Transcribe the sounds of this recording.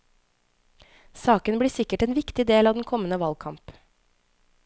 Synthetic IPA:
sɑːkənbliːsɪkəʈeːnʋɪkt̪ɪd̪eːlɑːd̪ɛnkʰɔmənəʋɑlkʰɑmp

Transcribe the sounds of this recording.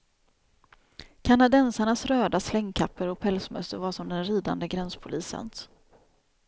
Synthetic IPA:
kʰanad̪ɛnsaɳasɾøːd̪aslɛŋːkʰapːəɾɔk̚pʰɛlsmœ̰st̪ə̰ɾvaːʂɔmd̪ɛnɾiːd̪a̰nd̪əɡɾɛnspʰʊliːsə̰n

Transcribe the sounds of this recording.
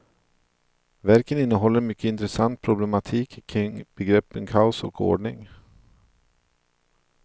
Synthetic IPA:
væɾkənɪnːəɦɔlːəɾmʏkːəɪnt̪ɾɛsant̪̚pʰɾʊblɛmat̪ʰiːkkʰːɾɪŋb̥ɛɡɾɛpːənkʰaʊsɔ̰kʰo̰ːɖɳɪŋ

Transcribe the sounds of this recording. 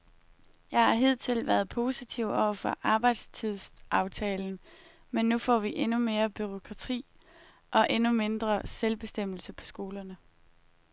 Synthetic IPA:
jɑ̈ɪhɑ̈ɦe̝ð̰ˠt͡sʰe̝lʋæɐð̞ˠpʰo̝ːsit͡sʰiʊ̰ɒʊ̰ɐfɒ̽ʔɑ̈ːb̥ɑ̈ɪd̥st͡sʰið̰ˠsʔɑ̈ʊt͡sʰɛːln̩ | menːufɒ̰ːʋiʔe̝nume̝ːɐb̥yʁo̝kʰʁɑ̈t͡sʰḭː | ʔɒ̽ʔe̝nume̝nd̥ʁɐselb̥e̝sd̥em̰l̩səpʰɒ̥̽sɡ̥o̝ːlɐnə

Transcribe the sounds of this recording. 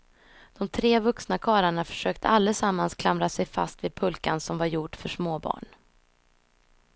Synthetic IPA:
d̪̥ɔmt̪ʰɾeːvɵksnakʰɑːɾaɳafœ̥ʂøːk̚t̪ʰəʔalːəsamːanskʰlamɾasɛjfa̰st̪vid̪̚pʰɵlkansɔmvaɾjʊʈfœʂmoːbɑ̰ːɳ

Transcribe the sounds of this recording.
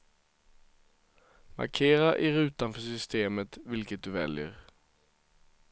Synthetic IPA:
mɑ̰ɾkʰeːɾaʔɪɾʉːt̪anfœʂʏst̪eːmət̪ʋɪlkət̪̚d̪ʉʋɛ̰ljə̰ʁ

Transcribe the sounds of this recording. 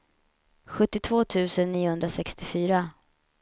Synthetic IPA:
ɧɵt̪ːɪt̪ʰvoːt̪ʰʉ̟ːsənːiːʊhɵnd̪ɾasɛkst̪ɪfyːɾa

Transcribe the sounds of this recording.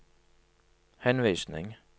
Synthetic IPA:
hɛnʋiːsnɪ̰ŋ

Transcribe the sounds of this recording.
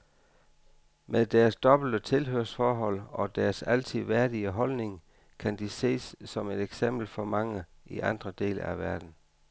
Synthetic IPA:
meðˠd̥æːɐsd̥ɒ̽b̥l̩d̥ət͡sʰe̝lɦøɐsfɒːɦɒ̽l̰ɒ̽d̥æɐsæl̰t͡sʰiʋæɐd̥iəɦɒ̽lne̝ŋ | kʰænd̥ise̝̰ːsːɒ̽me̝deɡ̥sem̰b̥l̩fɒ̽mɑ̈ŋəʔiʔɑ̈nd̥ʁɐd̥e̝̰ːləæʋæɐd̥n̩

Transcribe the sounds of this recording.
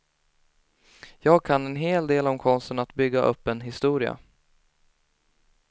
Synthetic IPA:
jɑːɡ̚kʰanːɛnɦeːld̪eːlɔmkʰɔnst̪ənat̪bʏɡːaʔɵ̰pːɛnɦɪst̪uːɾɪa̰

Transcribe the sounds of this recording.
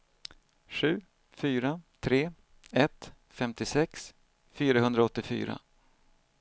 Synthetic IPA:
ɧʉ̟ː | fyːɾat̪ʰɾeː | ɛt̪ | fɛmt̪ɪsɛks | fyːɾaɦɵnd̪ɾaɔt̪ːɪfy̰ːɾa̰

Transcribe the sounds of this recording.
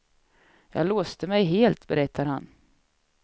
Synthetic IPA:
jɑ̰ːɡloːst̪əmɛjɦeːlt̪bɛɾɛt̪ʰːaɾhan

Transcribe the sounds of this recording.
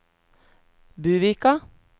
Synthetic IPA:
bʉːʋiːkɑ

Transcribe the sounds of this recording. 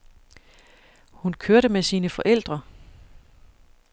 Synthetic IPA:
hunkʰøɐɾəmesiːnəfɒ̽ʔel̰d̥ʁɐ

